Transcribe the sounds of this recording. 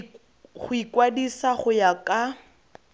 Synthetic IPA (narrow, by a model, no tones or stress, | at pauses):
χʊikʼwadisaχʊjakʼa